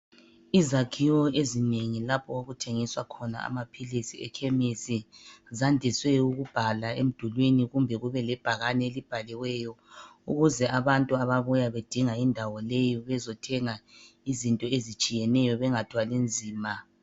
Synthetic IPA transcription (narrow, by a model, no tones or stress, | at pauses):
izakʰiwɔezineŋilapʰɔwoɣutʰeŋiswakʰɔna̰a̰mapʰilisiɛ̰kʰɛmisizandʱiswɛuɣub̥ʱalaem̩d̥ʱulwiniɣumbʱɛɣuβɛlɛb̥ʱaɣanɛelib̥ʱalɛwɛjɔṵɣuzɛʔaβantʼuaβaβujaβed̥ʱiŋaindʱawɔlejɔβɛzɔtʰɛŋa | izintʼɔezit͡ʃʼijɛnɛjɔβɛŋatʰwalind͡zʱiːma